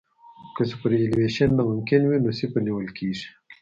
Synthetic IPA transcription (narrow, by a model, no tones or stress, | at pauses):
kəsupəɾelweʃənːamʊmkɪnwinosipəniwəlkiːʐi̥